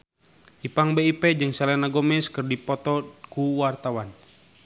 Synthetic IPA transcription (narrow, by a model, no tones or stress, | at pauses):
ʔipaŋbeipɛd͡ʒɨŋsalɛnaɡɔmɛskɨrdipɔt̪ɔkuwart̪awan